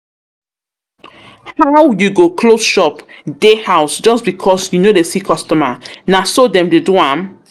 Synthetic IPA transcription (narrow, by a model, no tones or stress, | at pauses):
haʊjuɡokʰlosʃɔpdehaʊsd͡ʒʌsbikʰɔsjunodesikʰɔstɔmənasodɛ̃mdeduãm